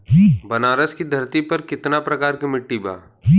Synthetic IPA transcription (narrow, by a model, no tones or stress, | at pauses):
bɐnaːɾəskid̪ʱɐɾt̪ipɐɾkɪt̪napɾɐkaːɾkimɪʈːiba̰ː